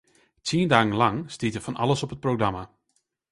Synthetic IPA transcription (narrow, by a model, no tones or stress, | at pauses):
tʰiəndaːɣənlɑŋstitəfɑnɑ̰ləsɔpət̚proɡrɑma